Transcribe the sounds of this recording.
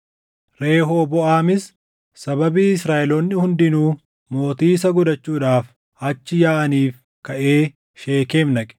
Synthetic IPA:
ɾe̞ːɦoːbɔʔaːmɪs | sɐbɐbiːɪsɾaːʔɛloːnːɪhʊnd̪ɪnuː | mo̞ːt̪iːs̬ɐɡʊd̪ɐt͡ʃːuːᶑaːf | ɐt͡ʃːɪjaːʔɐniːf | kɐʔe̞ː | ʃe̞ːke̞ːmnɐkʼɛ̥

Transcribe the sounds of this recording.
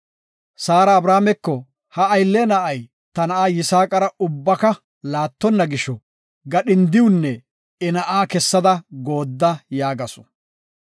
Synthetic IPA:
saːɾɐːbɾaːmɛkːɔ | hɐɐjlːenɐʔɐj | t̪ɐnɐʔaːjɪsaːkʼɐɾɐʊbːɐkɐ | laːt̪ːɔnːɐɡɪʃɔ | ɡɐɗɪnd̪ɪwʊnːɛ | ɛnɐʔaːkɛsːɐd̪ɐɡo̞ːd̪ːɐjaːɡɐsɔ̥

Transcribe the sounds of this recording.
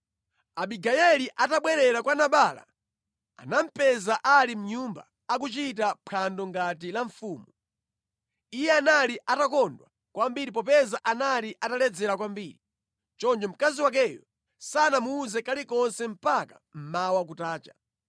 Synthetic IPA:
aɓiɡajɛliʔataɓwɛɾɛɾakwanaɓaːla̰ | a̰nam̩pɛzaʔalim̩ɲumba̰ | ak̬ut͡ʃit̬apʰandɔŋɡatilaɱfuːmu | ijɛanaliʔatakɔndwa̰ | kwambiɾip̬ɔpɛzaʔanaliʔatalɛd͡zɛɾakwambiːɾi | t͡ʃɔnd͡ʒɔm̩kaziwak̬ɛːjɔ̰ | sanamuːzɛkalikɔnsɛm̩pakḁ | m̩mawakutaːt͡ʃa

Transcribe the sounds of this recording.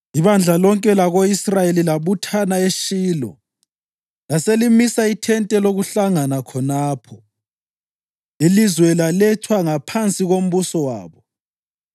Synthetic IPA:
iβand͡ɮʱalɔŋkʼɛlaɣoisrajelilaβutʰanaeʃiːlɔ̰ | laselimisaitʰɛntʼɛloɣuɬaŋanakʰɔnaːpʰɔ | ilizwɛlalɛtʰwaŋapʰant͡sʼiɣom̩βusɔwa̰ːβɔ

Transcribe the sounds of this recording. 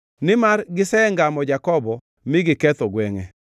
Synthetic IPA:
nɪmarɡɪsɛŋɡamɔd͡ʒakɔbɔ | mɪɡɪkɛt̪oɡwɛŋɛ̰

